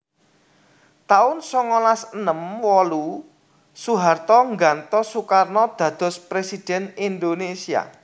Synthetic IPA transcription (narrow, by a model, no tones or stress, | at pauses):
t̪aʊnsɔŋɔlasənəmwɔlu | suɦart̪ɔŋɡant̪ɔsukarnɔd̪̥ä̤d̪̥ɔ̤spɾesid̪̥ɛ̤nind̪onesia̰